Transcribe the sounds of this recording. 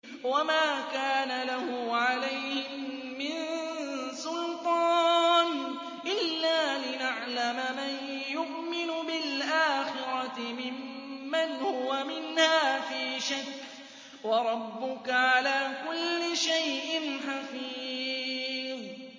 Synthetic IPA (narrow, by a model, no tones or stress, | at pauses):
wamaːkaːnalahʊʕalajhɪmː | ɪn | sʊlt̪ˤɑːn | ʔɪlːaːlɪnaʕlamaman | jʊʔmɪnʊbɪlʔaːxɪɾɑtɪmɪmːanhʊwamɪnhaːfiːʃakː | wɑɾˤɑbːʊkaʕalaːkʊlːɪʃajʔɪnħafiː | ð